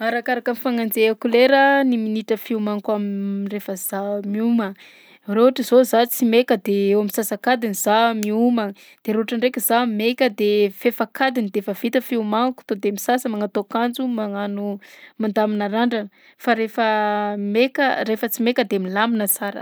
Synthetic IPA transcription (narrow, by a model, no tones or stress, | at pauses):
aɾakaɾakəmifaŋand͡zeakuleɾəniminiʈ͡ʂəfiumaŋkamirefəz̥amiumə | reaʈ͡ʂizozat͡simekəd̪eewamisasakad̪iniz̥amiumə | d̪̥eɾoʈ͡ʂaɳrekʲizamekʲəd̪efefakad̪inid̪efəv̥it̪əfiumaŋku̥t̪od̪emisasəmaŋat̪okand͡zumaŋanumand̪aminaɾaɳɖ͡ʐən | faɾefəmekərefət͡simekəd̪eamilaminət͡saɾə̰